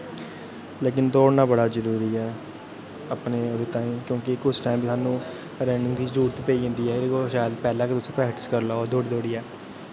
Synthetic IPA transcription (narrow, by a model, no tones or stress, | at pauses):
leːk̬ɪnd̪oːnãːbəɽaːzəɾuːɾiːɛː | əpneːoːd̪eːt̪aːĩːkjõːkɪkʊd͡ʒʈaːimbisaːnũː | ɾɛːɳɪŋɡk̪iːzəɾuːɾt̪iːpəiːɦɪ̃ːnd̪iːɛːekoʃaːjəd̪pɛːlãːket̪ʊsẽːpɾɛːkʈɪ̥skəɾlaːd̪ʱoːɽiːd̪oːɽiːɛː